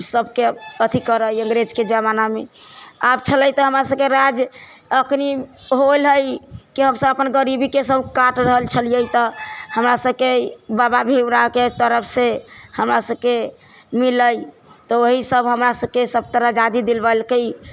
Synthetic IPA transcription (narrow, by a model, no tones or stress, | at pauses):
səbʱkeət̪ʰikəɾəjə̃ŋɡɾed͡ʒked͡ʒamanameabt͡ʃʰələjt̪ɔɦəmɾasəb̚keɾad͡ʒ | əkʰni | ɦolɦəjkiɦəmsəbəpənɡəɾibikesəbʱkaʈɾəɦəlt͡ʃʰəlijəjt̪ɔhəmɾasəb̚kebababʱebɾaket̪əɾəpʰsehəmɾasəb̚ke | miləj | t̪ɔoɦisəbɦəmɾasəb̚kesəb̚t̪əɾad͡ʒad̪id̪ilbəlkəj